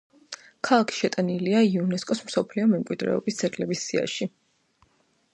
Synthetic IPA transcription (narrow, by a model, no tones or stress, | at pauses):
kʰalˠakʰi̥ʃɛt̪ʼaniliaiunɛskʼɔsmsɔpʰliɔmɛmkʼwid̪ɾɛ̰ɔ̰bist̪sʰʼɛɾkʼlɛbisːia̰ʃi